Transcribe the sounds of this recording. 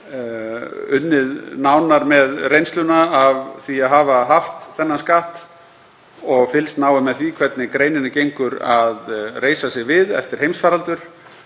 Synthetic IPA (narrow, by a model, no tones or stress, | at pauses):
ʏnːɪðnawnaɾmɛðrejnst̪lʏnaːvθviaðɦaːvaɦaft̪θɛnːanskaːht̪ | ɔɣfɪlst̪naːwɪmɛðθvikʰvɛt̪nɪkɾeːjnɪnacejŋkʏɾaðreːjsasjɪɣvɪðɛ̰ft̪ɪɾ̥hejmsfaːɾalt̪ʏɾ̥